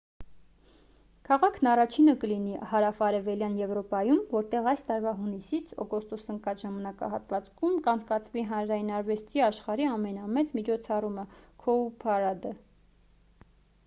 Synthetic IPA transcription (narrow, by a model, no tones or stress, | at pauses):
kʰɑʁɑkʰnɑrɑt͡ʃʰinəkəlinihɑɾɑfɑɾɛvɛljɑnjɛvɾɔpɑjumvɔɾt̪ɛʁɑjst̪ɑɾvɑɦunisit͡sʰɔ̰kɔst̪ɔsəŋkɑt͡sʒɑmɑnɑkɑ̰ɦɑt̪vɑt͡skʰumkɑnt͡sʰkɑt͡sʰviɦɑnɾɑjinɑɾvɛst̪ʰiɑʃχɑɾiɑmɛnɑmɛt͡smit͡ʃʰɔt͡sʰɑruməkʰɔupʰɑɾɑd̪ə